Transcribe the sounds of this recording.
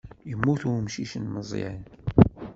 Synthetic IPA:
jəmːuθuɾmʃiʃənməzˤḭʕin

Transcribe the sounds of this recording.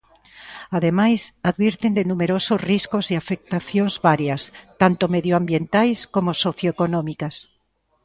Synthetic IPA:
aðemajsaðβiɾt̪end̪enumeɾosozriskosiafek̚t̪aθjoŋzβaɾjast̪ant̪omeðjoambjent̪ajskomosoθjoekonɔ̃mikas

